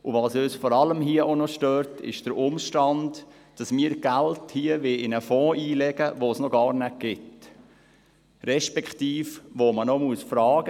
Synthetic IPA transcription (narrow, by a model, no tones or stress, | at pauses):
ʔʊʋɑsøsfɔɾɑləmɦiəʔonɔʃtøːɾtʰɪ̰ʃd̥əɾʊmʃtɑnd | d̥ɑsmiːɾɡ̥ælthiːəʋeʔɪnəfɔ̃ːʔiːlɛɡ̥əʋosnoɡɑːɾnɛt̚ɡ̥ɪt | ɾɛʃpɛktiːfʋomənomuəsfɾɑːɡ̥ə